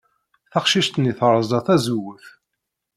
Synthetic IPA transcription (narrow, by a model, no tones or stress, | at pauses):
θɑqʃiʃt̪niθɾˤəzˤɑθæzuwəθ